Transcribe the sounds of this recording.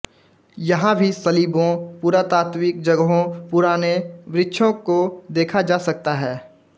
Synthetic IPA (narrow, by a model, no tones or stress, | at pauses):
jɐɦãbʱisɐliːbõpuːɾat̪aːt̪wiːk̚d͡ʒɐɡɦõpʊːɾaːneʋɾɪtːʃʰõkod̪eːkʰad͡ʒaːsɐk̚t̪aɦɛː